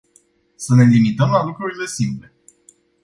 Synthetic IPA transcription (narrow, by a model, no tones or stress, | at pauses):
səne̞limit̪əmlalukɾuɾile̞simple̞